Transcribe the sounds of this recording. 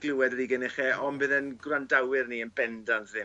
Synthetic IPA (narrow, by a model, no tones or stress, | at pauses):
ɡ̥lˠɪwɛdriːɡənɪχɛɔnbɪðənɡrandawɪrniːənbɛndɔnðɪ